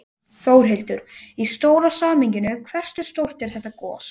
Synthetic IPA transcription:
θoːwɾ̥ɦejlt̪ʏɾist̪oːwɾasaːmiɲcɪnʏkʰvɛr̥st̪ʏst̪owr̥t̪ɛɾ̥θɛht̪ːakɔ̰ːs

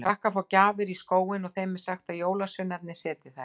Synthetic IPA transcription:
vahkafawcaːvɪɾiskoːwɪnɔɣθejmɛ̥saxt̪awjoːwlasʏnɛp̪̚nɪ̥sɛːt̪ɪ̥θa

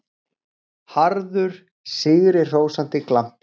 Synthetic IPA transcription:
haɾðʏɾ̥ | sɪːɣɾɪ̥roːwsan̥t̪ɪklan̥t

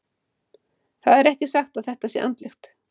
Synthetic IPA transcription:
θaðɛɾɛhcɪsaxt̪aðθɛht̪asjɛ̰ʔa̰nt̪lɪxt̪

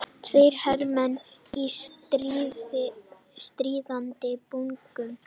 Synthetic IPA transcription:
t̪ʰvejɾ̥hɛɾmɛnisɾ | st̪ɾiːðant̪ɪpuŋkʏm

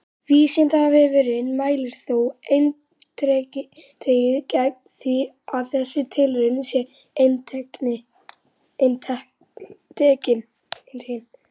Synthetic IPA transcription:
viːsɛnt̪aavɪvɪɾɪnmaːjlɪɾ̥θowejn | t̪ɾɛcɪt̪ʰejɪcak̪̚θi | avθɛsːɪt̪ʰɪlʏɾɪnsjɛ | ejnt̪ʰɛknɪ | ejnt̪ʰ | t̪ʰɛːcɪn | ent̪ʰɛcɪn

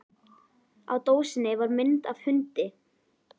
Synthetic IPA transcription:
a̰wt̪oːwsɪnːɪvaɾmɪnt̪av̥hʏnt̪ɪ

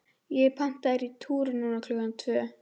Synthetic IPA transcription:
jɛpʰan̥t̪aɾit̪ʰuːɾʏnuːnakʰlœɣant̪ʰvœː

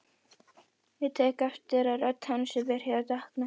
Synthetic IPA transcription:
jɛt̪ʰɛːkaft̪ɪɾaðɾœt̪hansɛvɛːɾ̥jɛɾat̪ahkna

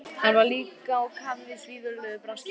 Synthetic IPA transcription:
ɛɾvaliːkaɔwkʰaðvɪsviːðʏɾlʏpɾansc

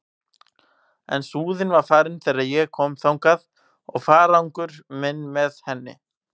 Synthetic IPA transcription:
ɛ̰nsuːðɪnvaɾ̥faːɾɪnθɛːjɾaðjɛɣkʰɔːmθawŋkað | ɔɣfaːɾawŋkʏɾ̥mɛnːmɛðhɛnːɪ̰

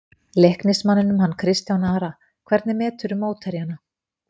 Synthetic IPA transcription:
lehknɪsmanːɪnʏmɦanːkʰɾɪst̪jawnaːɾa | kʰvɛɾt̪nɪmɛːt̪ʏɾʏmoːwt̪ʰɛɾjana

